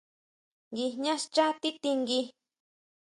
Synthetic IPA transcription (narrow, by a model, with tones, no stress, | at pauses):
ŋɡi˧ɲã˦st͡ʃa˦t̪i˦t̪i˧ŋɡi˧